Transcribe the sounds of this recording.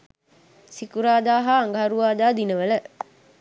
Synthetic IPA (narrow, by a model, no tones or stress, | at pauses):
sikuɾaːd̪aːɦaːŋɡaɦaɾuʋaːd̪aːd̪inəʋələ